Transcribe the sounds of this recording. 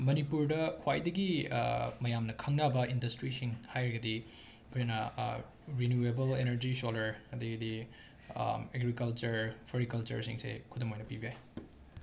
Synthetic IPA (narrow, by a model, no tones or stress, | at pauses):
mɐnipuɾdɐkʰwajdɐɡḭ | mɐjamnɐkʰɐŋnabɐindɐstɾisiŋhajɾɐɡɐdi | pʰjnɐ | ɾinjuebɐlenɐɾd͡ʒisolɐɾɐd̪ɐɡɐdi | eɡɾikɐlt͡ʃɐɾpʰɐɾikɐlt͡ʃɐ̰ɾsḭŋsḛkʰutɐmojnɐpibijaj